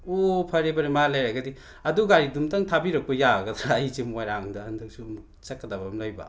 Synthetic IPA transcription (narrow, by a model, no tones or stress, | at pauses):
opʰɐɾebɐɾimalɐjɾaɡɐdi | ɐduɡaɾidumtɐŋtʰabiɾɐk̚pɐjaɡɐtʰɾaːjizimojɾaŋdɐhɐndɐk̚sum | t͡ʃɐkːɐdabɐmlɐjbɐ̰